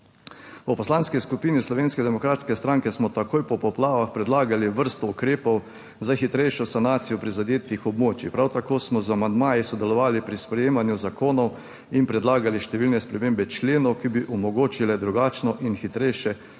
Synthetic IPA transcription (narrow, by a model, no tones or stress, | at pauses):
ɔpɔslanskiskupinislɔʋeːnskɛd̪ɛmɔkɾaːt̪skɛst̪ɾaŋkɛsmɔt̪akoːjpɔpɔplaːʋaxpɾɛd̪laːɡaliʋəɾst̪ɔukɾeːpɔw | zaxit̪ɾɛjʃɔsanaːt̪sijɔpɾizad̪eːt̪ixɔbmoːt͡ʃipɾawt̪akoːsmɔzamand̪maːjisɔd̪ɛlɔʋaːlipɾispɾɛjeːmanjuzakoːnɔw | inpɾɛd̪laːɡaliʃt̪ɛʋiːlnɛspɾɛmeːmbɛt͡ʃleːnɔwkibiʔɔmɔɡoːt͡ʃilɛd̪ɾuɡaːt͡ʃnɔʔinxit̪ɾɛjʃɛ